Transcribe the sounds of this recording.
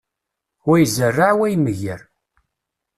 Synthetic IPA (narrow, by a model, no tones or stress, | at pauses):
wæjzərːaʕwæjməʝəɾ